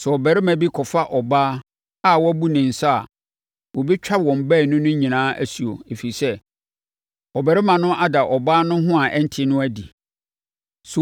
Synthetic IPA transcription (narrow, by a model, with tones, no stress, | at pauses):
sɛ˨ɔ˨bæ˨ɾɪ˦mã˨bi˦kʰɔ˨fa˦ʔɔ˨baː˦ | a˦˨wɔ˦æ˦bu˦nɪ̃˨n̩˨sa˦a˨ | wɔ˨bi˦t͡ɕᶣa˦bwɔ̃˨m˨bæ˦˨nʊ̃˦nʊ̃˦ɲĩ˨nãː˦ʔæ̰˦su˨o̰˨e˨fi˨sɛ˦ | ɔ˨bæ˨ɾɪ˦mã˨nʊ̃˦ʔa˦da˨ʔɔ˨baː˦nʊ̃˦ɦʊ̃˦a˨ʔɛ˦n̩˦tʰɪ˦nʊ̃˦æ˦di˨ | su˨